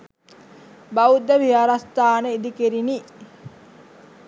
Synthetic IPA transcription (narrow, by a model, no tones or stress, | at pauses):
baud̪ːəʋijaɾast̪aːnəid̪ikeɾini